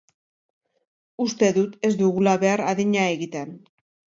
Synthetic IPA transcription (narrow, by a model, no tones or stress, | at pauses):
ust̪e̞ðut̪e̞zd̪uɣulaβe̞aɾaðiɲae̞ɣit̪e̞n